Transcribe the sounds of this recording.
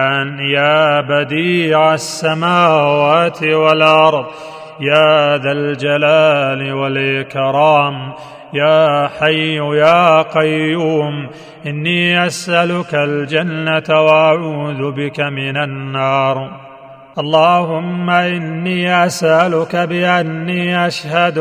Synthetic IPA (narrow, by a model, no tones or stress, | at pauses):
njaːbad̪iːʕasːamaːwaːt̪ɪwalʔɑɾˤðˤ | jaːðald͡ʒalaːlɪwalʔɪkɾɑːm | jaːħajːʊjaːqɑjːuːm | ʔɪnːiːʔasʔalʊkald͡ʒanːat̪waʔaʕuːðʊbɪkamɪnanːɑːɾˤ | ʔɑlˤːɑːhʊmːaʔɪnːiːʔasʔalʊkabɪʔanːiːʔaʃhad̪